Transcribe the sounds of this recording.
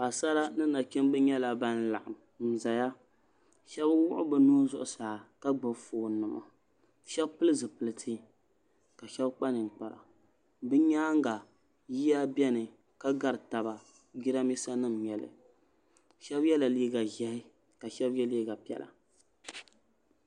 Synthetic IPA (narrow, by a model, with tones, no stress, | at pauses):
a˨sa˦ɾa˦nɨ˦na˨kɪ˦mbɨ˦ɲɛ˦la˨ba˦n˦la̰˨ʔa˨m | m̩˨za˨ja˦ | ʃɛ˦bwʊ˦ʔʊ̰˦bɨ˨nu˦zʊ˦ʔʊ˨sa˨a˨ka˦ɡ͡bɨ˨foː˨nɨ˨ma̰˨ | ʃɛ˦bpɨ˦lɨ˦zɨ˨pɨ˨lɨ˦tʰi˦ | ka˨ʃɛ˦bk͡pa˦nɨ˨ŋ̩˨k͡pa˨la̰˨ | bɨ˦ɲaː˦ŋ˦ɡa˨ | ji˦ja˦bɛ˦nɨ˨ | ka˦ɡa˨ɾɨ˨ta˨ba˨ | ɡi˦ɾa˦mi˦sa˦nɨ˦mɲɛ˨lɨ̰˨ | ʃɛ˦bjɛ˦la˨liː˦ɡa˨ʒɛ˨hɪ˦ | ka˨ʃɛ˦bjɛ˦li˦ɡa˨pi˦ɛ̰˨la̰˨